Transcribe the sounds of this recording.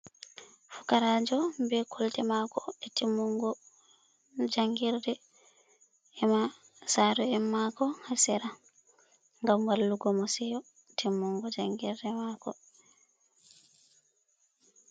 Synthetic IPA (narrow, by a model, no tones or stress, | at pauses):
fu̥kaɾad͡ʒɔbɛkʰɔltɛmakɔɛtimːuŋɡɔ | d͡ʒaŋɡiɾdɛ | ɛma | saɾɔɛmːakɔhasɛɾa | ŋɡamwalːuɡɔmɔsɛjɔ | tʰimːuŋɡɔd͡ʒaŋɡiɾdɛmakɔ